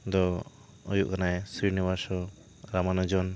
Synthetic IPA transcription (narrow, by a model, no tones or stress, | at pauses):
d̪ɔ | ujuʔkanajsɾiɾniβasɔ | ɾamanɔd͡ʒɔn